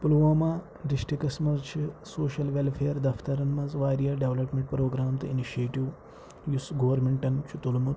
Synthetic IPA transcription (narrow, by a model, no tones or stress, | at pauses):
pulʋaːmaː | ɖiʃʈikɐsmɐzt͡ʃʰisoːʃɐlʋelfʰeːɾd̪ɐft̪ɐɾɐnmɐzʋaːɾijaːɖeʋlɐpmeɳʈpɾoːɡɾaːmt̪ɨiniʃeːʈiʋ | jusɡoʋɐɾmeɳʈɐnt͡ʃʰut̪ulmut̪